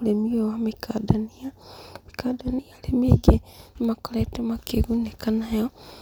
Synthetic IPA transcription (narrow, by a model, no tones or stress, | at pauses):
lemiwewamikʰadanijamikadanijalemeɡemakoletemakeɣunekanajo